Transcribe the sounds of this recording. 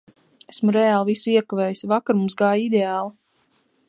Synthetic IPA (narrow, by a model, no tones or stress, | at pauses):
esmuɾɛaːlˠvisuiɛkaveːjisvakaɾmumsɡaːjid̪eaːlˠi